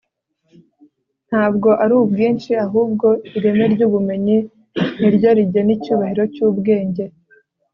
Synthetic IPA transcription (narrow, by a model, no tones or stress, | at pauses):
n̥haːbɡo̞ʔaɾuːbɡiːnt͡ʃiaɦuːb̚ɡo̞iɾe̞meɾɟuːβume̞ɲi | n̥iɾɟoɾiɟenicuːβahiɾo̞cuːbɡe̞ːɲɟe̞